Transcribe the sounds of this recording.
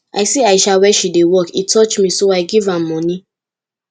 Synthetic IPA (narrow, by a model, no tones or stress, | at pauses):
ʔa̰ɪseaɪʃawɛʃidewɔkitʰɔt͡ʃmĩsoaɪɡivãmːɔ̃ni